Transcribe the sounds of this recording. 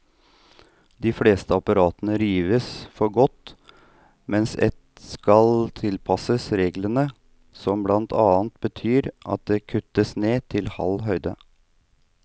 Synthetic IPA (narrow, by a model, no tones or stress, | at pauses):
d̪ɪfleːst̪əɑpɑɾɑːt̪ənəɾiːʋəsfɔɾɡɔt̪ | mɛnsɛ̰t̪skɑlt̪ʰɪlpʰɑsəsɾeːɡlənə | sɔmblɑnt̪ʰɑːnt̪̚bət̪ʰyːɾʔɑ̰t̪̚d̪ɛkʰʉt̪ːəsneːt̪ʰɪlhɑ̰lɦœʏd̪ə